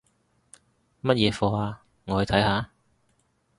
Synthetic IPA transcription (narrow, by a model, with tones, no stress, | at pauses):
mɐ˥t̚jɛː˨˧fɔː˧aː˧ | ŋɔː˨˧hɵ˨˧t̪ʰɐ˨˥jhaː˧